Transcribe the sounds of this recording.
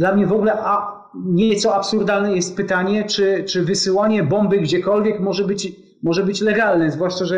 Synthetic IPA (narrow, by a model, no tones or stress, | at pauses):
d̪lamɲɛvɔɡulɛʔa | ɲɛt̪sɔapsuɾd̪alnɛjɛst̪̚pɘt̪aɲɛt͡ʂɘt͡ʂɘvɘsɘwaɲɛbɔmbɘɡd͡ʑɛkɔlvʲjɛkmɔʐɛbɘt͡ɕ | mɔʐɛbɘt͡ɕlɛɡalnɛzvwaʂt͡ʂaʐɛ